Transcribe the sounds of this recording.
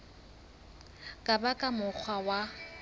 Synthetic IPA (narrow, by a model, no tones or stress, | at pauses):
kʼabakʼamʊk͡xʰwawa